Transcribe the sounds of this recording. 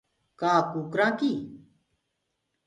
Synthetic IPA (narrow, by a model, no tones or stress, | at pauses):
kaːkuːkɾãːkiː